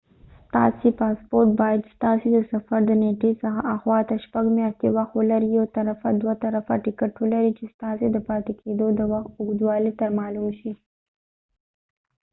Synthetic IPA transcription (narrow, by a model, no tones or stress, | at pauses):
st̪ɑ̰sepɑspoɾʈbɑjad̪st̪ɑsed̪əsafaɾd̪əneʈesəxaʔaxwɑt̪aʃpaɡmjɑʃt̪ewaxt̪wəlaɾijot̪aɾafad̪waft̪aɾafaʈɪkaʈwəlaɾit͡ʃest̪ɑsed̪əpɑt̪ekʰed̪od̪əwaxt̪ʊɡd̪wɑlet̪amɑlumʃi